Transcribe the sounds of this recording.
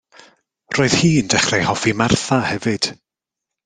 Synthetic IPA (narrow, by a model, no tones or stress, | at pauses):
roːð̥hiːəndɛχrɛjhɔfimarθahɛvɨd̥